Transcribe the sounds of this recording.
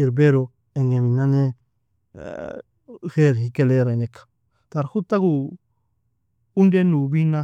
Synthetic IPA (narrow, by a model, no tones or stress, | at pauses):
iɾbeɾo | eŋeβinãne | xeɾhikeleɾanekʰḁ | t̪aɾhut̪aɡu | und̪enuβinã